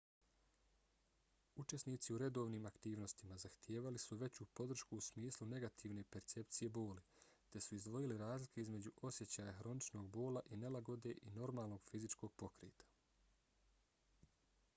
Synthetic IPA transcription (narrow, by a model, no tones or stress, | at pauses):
ut͡ʃe̞sniːt̪siuɾe̞d̪o̞ːʋniːmakt̪iːʋno̞st̪imazaxt̪jeːʋalisuʋe̞t͡ɕupo̞d̪r̩ʃkuːsmiːslune̞ɡat̪ʰiːʋne̞pe̞ɾt̪se̞p̚t̪sije̞bo̞ːlit̪e̞suizd̪ʋo̞jiliɾaːzlikʰeizme̞d͡ʑuʔo̞sje̞t͡ɕaːjaxɾo̞nit͡ʃno̞ɡbo̞ːlaʔine̞laɡo̞d̪e̞ʔino̞ɾmaːlˠno̞ɡ̥fizit͡ʃko̞ːɡ̚po̞kɾḛːt̪ḁ